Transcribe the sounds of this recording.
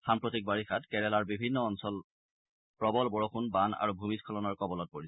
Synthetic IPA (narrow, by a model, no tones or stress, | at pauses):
xampɹotik̚baɹixatkɛɹɛlaɹbibʱinːɔːnsɔl | pɹɔbɔlbɔɹɔxʰunbana̰ɹubʱumiskʰɔlɔnɔɹkɔbɔlɔt̚poɹisɛ